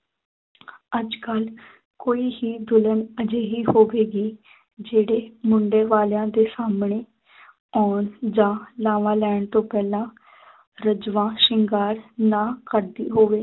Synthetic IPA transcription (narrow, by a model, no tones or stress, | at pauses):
əd͡ʒkəl | koːiːɦiːd̪ʊlənəd͡ʒeːɦiːhoːʋeːɡiː | d͡ʒeːɽeːmʊɳɖeːʋaːljãːd̪eːsaːmɳeː | ɔːnd͡ʒãːlãːʋãːlɛːɳt̪õːpɛːlãː | ɾəd͡ʒʋãːʃɪŋɡaːɾnãːkəɾd̪ḭːɦoːʋeː